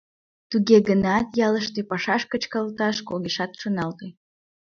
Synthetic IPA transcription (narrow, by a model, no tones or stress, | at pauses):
t̪uɣeɣənɑt̪jɑləʃt̪epɑʃɑʃkət͡ɕkəlt̪ɑʃkoɣeʃɑt̪ʃonɑlt̪e